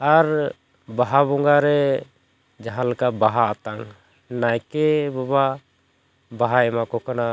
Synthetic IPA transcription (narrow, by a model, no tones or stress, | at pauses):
aɾ | baɦabɔŋɡaɾɛ | d͡ʒaɦãləkabaɦaːt̪aŋ | najkɛbaβa | baɦaɛmakɔkana